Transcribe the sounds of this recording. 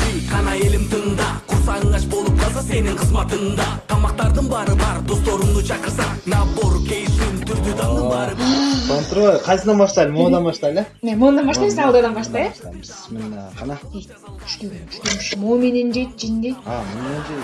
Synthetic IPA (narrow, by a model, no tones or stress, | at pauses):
iqʰɑnɑe̞lɪmt̪ɨnd̪ɑqʰoɾsɑʁəɴʁɑʃbo̞lˠup̚qʰɑlˠsɑse̞nɪɴqʰəzmɑt̪əɴd̪ɑt̪ʰɑmɑq̚t̪ɑɾd̪əɴbɑɾɯbɑɾd̪o̞st̪o̞ɾuɴd̪ut͡ʃʰɑqəɾsɑnɑboɾkʲʰe̞jsɪnt̪ʰʏɾd̪yd̪ɑd̪ɑɾsʰont̪ɾolqʰɑjsɯnɑnbɑʃt̪ɑjlmoːnd̪ɑnbɑʃt̪ɑjlʲeemond̪ɑnbɑʃt̪ɑjsɑlˠd̪ɑjd̪ɑnbɑʃt̪ɑjʃt̪ɑmsmɪnqʰɑnɑe̥ | ʃt̪øɡnʃt̪ømʃmome̞nend͡ʒejt̪̚d͡ʒind̪ejt̪ɑmonend͡ʒej